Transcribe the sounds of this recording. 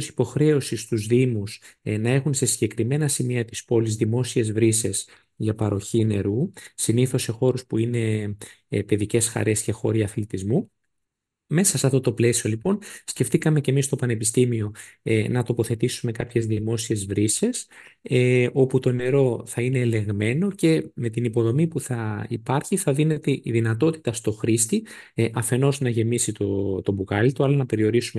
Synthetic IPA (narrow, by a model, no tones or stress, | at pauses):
si̥po̞xɾe̞o̞sist̪uzðimusnɐe̞xunse̞siɲɟe̞kɾime̞nɐsimiɐt̪ispo̞lizðimo̞sie̞zvɾise̞s | ʝɐpɐɾo̞çine̞ɾusiniθo̞sːe̞xo̞ɾuspuine̞ | pe̞ðice̞sxɐ̰ɾe̞sce̞xo̞ɾiɐflit̪izmu | me̞sɐseɐft̪o̞t̪o̞ple̞sio̞lipo̞nsce̞ft̪ikɐme̞cemist̪o̞pɐne̞pist̪imio̞nɐt̪o̞po̞θe̞t̪isume̞kɐpçe̞zðimo̞sie̞zvɾise̞s | o̞put̪o̞ne̞ɾo̞θɐine̞ːle̞ɣme̞no̞ce̞me̞t̪inipo̞ðo̞mipuθɐipɐɾçiθɐðine̞t̪eʔiðinɐt̪o̞t̪i̥t̪ɐst̪o̞xɾist̪iʔɐfe̞no̞znɐʝe̞misit̪ot̪o̞bukɐlit̪oɐlɐnɐpe̞ɾio̞ɾisume